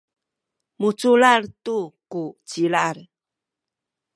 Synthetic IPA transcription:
mut͡sulartukut͡ɕilaɾ

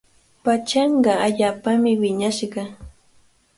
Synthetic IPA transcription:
pat͡ʃɑɴɢɑaʎaːpamɪwɪɲaʃɢɑ

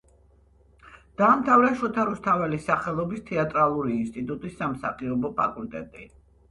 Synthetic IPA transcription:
d̪̥aːmt̪ʰavɾɛʃɔt̪ʰaɾust̪ʰavɛlisaχɛlˠɔbist̪ʰɛat̪ʼɾalˠuɾiːnst̪ʼit̪ʼut̪ʼisːamsa̰qʼiɔbɔpʰa̰kʼult̪ʼɛ̰t̪ʼḭ

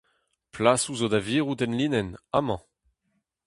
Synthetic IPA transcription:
plasuzod̪aviːʁud̪ɛnlinɛnamɑ̃

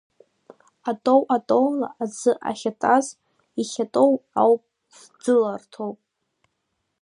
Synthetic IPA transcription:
atʼowʔatʼowla̰ʔazɨʔa̰χʲatʼaz | iχʲatʼowawpʼ | s | d͡zɨlartʰowpʼ

